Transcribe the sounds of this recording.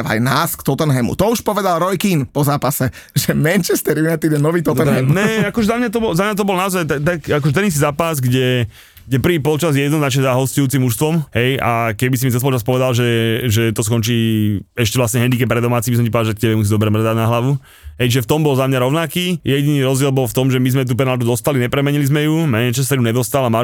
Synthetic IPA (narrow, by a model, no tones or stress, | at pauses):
ʋa̰jnaːskt̪ɔt̪ɛnɦɛmṵt̪ɔuʃpɔʋɛd̪alˠɾɔjkinpɔzaːpasɛ | ʒɛmɛnt͡ʃɛst̪ɛɾjunat̪id̪ɛnːɔʋiːt̪ɔt̪ɛɦɛmnɛakɔʒɛzamɲat̪̬ɔbɔlzamɲat̪̬ɔbɔlnaɔzajt̪at̪akakɔʒɛt̪ɛnis̬izaːpazɡɟɛ | ɡɟɛpr̩ʋiːpɔlt͡ʃazjɛjɛd̪nɔznat͡ʃɲɛzaɦɔscujuːt͡simːuʃst̪ʋɔmɦɛjakɛbis̬imit͡sɛspɔlt͡ʃaspɔʋɛd̪alʒɛʒɛt̪ɔskɔnt͡ʃiːɛʃcɛʋlasɲɛɦɛnd̪ikɛp̚ːɾɛd̪ɔmaːt͡sibisɔmcipɔaʒak̚cɛbɛmusid̪ɔbɾɛmrɛd̪aɟnaɦlaʋu | ɦɛjt͡ʃʒɛft̪ɔmbɔlzamɲaɾɔʊnakiːjɛɟiniɾɔzɟɪɛlbɔlft̪ɔmʒɛmizmɛt̪̬up̬ɛnalt̪ud̪ɔst̪alinɛpɾɛmɛɲilizmɛjumɛɲɛt͡ʃas̬t̪aɾuɲɛd̪ɔst̪alama